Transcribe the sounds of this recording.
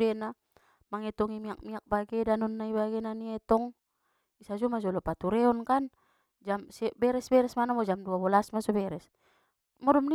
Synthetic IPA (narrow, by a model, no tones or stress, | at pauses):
dɛna | maŋɛt̪ɔŋimiak̚miak̚baɡɛdanɔnːaibaɡɛnaniɛt̪ɔŋ | isad͡ʒɔmad͡ʒɔlɔpat̪uɾɛɔnkan | d͡ʒamsɛbɛɾɛsbɛɾɛsmanamɔd͡ʒamduabɔlasmasɔbɛɾɛs | mɔdɔmni